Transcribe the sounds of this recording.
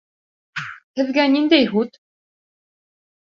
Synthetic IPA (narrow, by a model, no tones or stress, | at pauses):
t̪ʰɘ̆ðɡænʲind̪exut̪